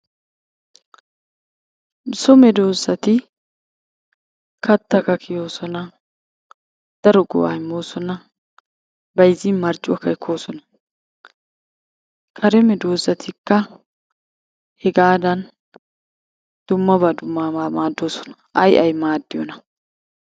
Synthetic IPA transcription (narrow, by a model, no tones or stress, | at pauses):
sʊmɛd̪o̞ːzːɐt̪ɪ | kɐt̪ːɐkɐkʰɪjo̞ːsɔnɐ | d̪̥ɐɾɔɡɔ̰wa̰jmoːsɔnɐ | bɐjziːnmɐɾt͡ʃʼːʊwɐkɐɛkʰːo̞ːsɔnɐ̥ | kʰɐɾɛmɛd̪o̞ːzɐt̪ʰɪkːɐ | hɛɡaːd̪ɐn | d̪̥ʊmːɐbɐd̪ʊmːaamaːd̪ːoːsɔ̥nɐ | ʔɐjʔɐjmaːd̪ːɪjɔ̰nɐ